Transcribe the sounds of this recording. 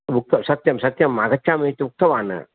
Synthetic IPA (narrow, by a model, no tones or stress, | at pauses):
ʋuk̚t̪ɐmsɐt̪jɐmsɐt̪jɐmɐɣɐt͡ʃːaːmeːt̪ːɨuk̚t̪ɐʋaːnɐ̰